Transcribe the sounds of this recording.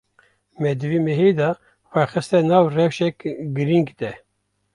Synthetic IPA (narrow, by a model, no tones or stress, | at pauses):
mɛd̪ɨviːmeɦed̪ɑ | xʷɛxɨst̪ɛnɑːvrɛwʃɛkɡɨɾiŋɡd̪ɛ